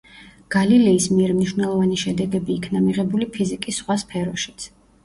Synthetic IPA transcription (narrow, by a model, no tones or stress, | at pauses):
ɡ̥alilɛismiɛɾmniʃwnɛlˠɔvaniʃɛd̪ɛɡɛbiːkʰnamiʁɛbulipʰizikʼisːχwaspʰɛɾɔʃi̥t̪sʰ